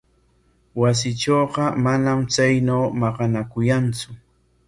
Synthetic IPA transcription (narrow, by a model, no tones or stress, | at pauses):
was̬ɪt͡ʃoːqɑmanamt͡sajnawmɑqɑnakʊjant͡sʊ